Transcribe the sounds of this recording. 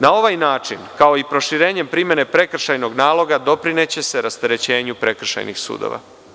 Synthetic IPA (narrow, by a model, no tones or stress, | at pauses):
nao̞ʋajnaːt͡ʃinkao̞ipɾo̞ʃiɾe̞ːɲe̞mpɾime̞ne̞pɾe̞kr̩ʃajno̞ɡnaːlˠo̞ɡad̪o̞pɾine̞t͡ɕe̞se̞ɾast̪e̞ɾe̞t͡ɕe̞ːɲupɾe̞kr̩ʃa̰jnḭxsṵːd̪o̰ʋa̰